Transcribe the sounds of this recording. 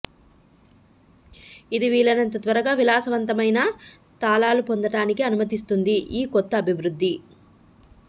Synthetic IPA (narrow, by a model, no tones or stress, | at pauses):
id̪iʋiːɭːɐnɐnt̪ɐt̪ʋɐɾɐɡaːʋilaːsɐʋɐnt̪ɐmɐjnɐ | t̪aːlaːlupond̪ɐɽaːnikiɐnumɐt̪̬ist̪und̪iʔiːkɔt̪ːɐːbʱiʋɾud̪ʱːi